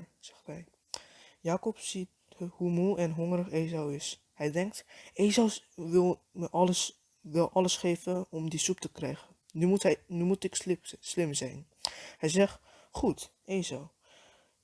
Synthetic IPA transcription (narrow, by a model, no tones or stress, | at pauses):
z̥ɛ̥xtɦɛj | jaːkɔpsit | humulˠɛnɦɔŋrəχeːzawɪs | hɛjdɛŋk̚tʔeːzawʋɪlˠ | məʔɔləs | ʋɪlˠʔɔləsχeːvəɔmdisup̚təkrɛjɣən | nymutɦɛnymutɪkslɪmzɛ̰jn | hɛjzɛχ | χutʔeːzaw